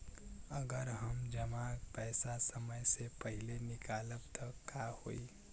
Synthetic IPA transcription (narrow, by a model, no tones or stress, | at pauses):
əɡəɾɦəmd͡ʒəmapɛːsasəməjsepəɦɪlenɪkaːləbt̪ʰɔkahoːi